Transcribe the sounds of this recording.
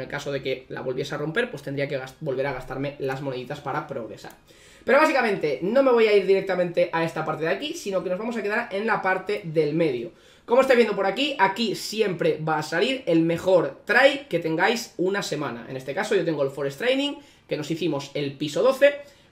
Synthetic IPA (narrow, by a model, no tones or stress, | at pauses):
elkaso̞ðe̞ke̞la̰βo̞lβje̞saro̞mpe̞ɾpwe̞st̪endɾiakeɣasbo̞lβe̞ɾaɣ̞ast̪aɾme̞lazmone̞ðit̪aspaɾapɾo̞ɣɾe̞̰sa̰ɾ | pe̞ɾo̞βasikamẽ̞nt̪e̞no̞me̞β̞o̞jaiɾðiɾek̚t̪amẽ̞nt̪e̞ʔae̞st̪apaɾt̪eðakisino̞kenozβamos̬akeðaɾe̞nlapaɾt̪e̞ðe̞lme̞ðjo | ko̞most̪aβjenop̬oɾakiʔakisje̞mpɾe̞βaːsaliɾe̞lme̞xo̞ɾt̪ɾajpke̞t̪e̞ŋɡajsunase̞mãna̰ḛne̞st̪e̞kaso̞jʝo̞t̪e̞ŋɡoelfo̞ɾest̪ɾejnĩŋ | ke̞no̞siθimo̞se̞lpiso̞ð̞o̞θe